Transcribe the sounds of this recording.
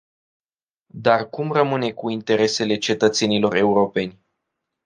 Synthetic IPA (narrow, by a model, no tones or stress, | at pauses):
d̪arkumrəmɨne̞kuint̪e̞ɾe̞se̞le̞t͡ʃe̞t̪ət̪se̞nilo̞ɾe̞uɾo̞pe̞nʲ